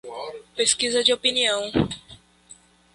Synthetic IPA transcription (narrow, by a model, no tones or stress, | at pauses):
peskizɐd͡ʒɪopiniɐ̃w̃